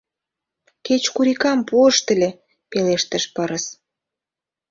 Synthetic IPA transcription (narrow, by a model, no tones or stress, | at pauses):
ket͡ɕkuɾikɑmpuəʃt̪əlʲe | peleʃt̪əʃpəɾəs